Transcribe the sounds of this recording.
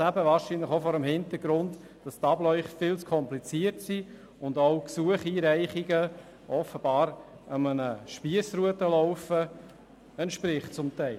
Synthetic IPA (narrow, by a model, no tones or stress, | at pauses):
æbəvɑːɾʃiːnləχofɔːɾəmhɪntəɾɡɾʊnt | d̥ɑstɑblœʏχfɪlt͡skʰɔmplit͡siətsi | ʊndoʊksuəχiːɾɛɪχiɡə | ʔɔfəb̥ɑːɾəmənəʃpiəsɾuətəlɔʊfə | ɛntʃpɾɪχt͡sʊmtæɪ